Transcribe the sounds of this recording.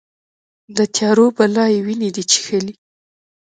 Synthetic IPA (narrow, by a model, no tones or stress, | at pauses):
d̪ət̪ʰjɑɾobalɑjewined̪it͡ʃe̥xəli